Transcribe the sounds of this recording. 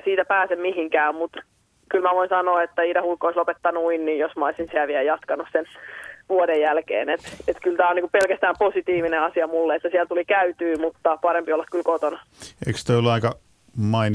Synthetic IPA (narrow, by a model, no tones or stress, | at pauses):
siːt̪æpæːsemmiɦiŋkæːmmut̪ | kylmæʋoinsɑnoːet̪ːæiːdɑhulkːoislopet̪ːɑnuinniːjjosmɑoisinsiæʋiæjɑt̪kɑnussenʋuodejjælkḛːnet̪et̪kylt̪æːoniŋkuppelkæst̪æːmposit̪iːʋineɑsiɑmulːeet̪ːæsiælt̪ulikæyt̪yːmut̪ːɑpɑɾempiolːɑkkylkot̪onɑ | ḛikst̪oolːɑikɑ | mɑin